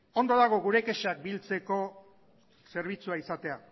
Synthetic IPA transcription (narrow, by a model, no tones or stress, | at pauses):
o̞nd̪o̞ðaɣ̞o̞ɣuɾe̞ke̞ʃak̚bilt͡se̞ko̞ | se̞ɾβ̞it͡suaisat̪e̞a